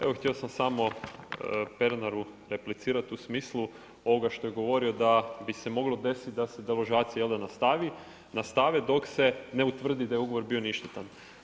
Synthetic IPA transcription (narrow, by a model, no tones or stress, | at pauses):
e̞ʋoxt̪ʲeo̞samsamo̞ | peɾnaɾuɾe̞plit̪siːɾat̪usmiːslˠu | o̞ʋoɡaʃt̪o̞jeɡo̞ʋo̞ɾio̞d̪abise̞mo̞ɡlo̞d̪e̞sit̪d̪ase̞d̪eloʒaːt̪sijajeld̪anast̪aʋi | nast̪aʋed̪o̞kse̞ne̞ut̪ʋr̩d̪id̪ajeuɡo̞ʋo̞ɾbio̞niʃt̪et̪an